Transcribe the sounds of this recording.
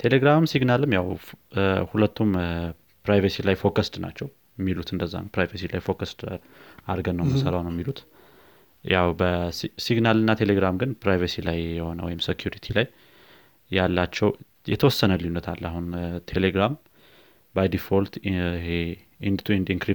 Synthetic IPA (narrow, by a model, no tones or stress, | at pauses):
t̪ʰe̞leɡɾamsiɡnalɨmːjaw | hulət̪ːum | pɾajvəsilajfo̞kʰast̪na̰t͡ʃːɛw | mːilut̪ʰɨnd̪əzːa̰npɾajvəsila̰jfo̞kast̪ | aɾɡənːəwməsəɾawnəwmːilut̪ | jawbəsiɡnalɨnːat̪ʰe̞leɡɾamɡɨnpɾajvəsilajːɛho̞nəwɔ̰jɪmsekʰjuɾit̪ʰilajː | alːat͡ʃːɛw | jɛ̰t̪ʰəwɔsːənəlijunːət̪ʰalːahunt̪ʰe̞leɡɾam | bajd̪ifo̞lt̪he | ʔind̪t̪ʰuind̪iŋkɾi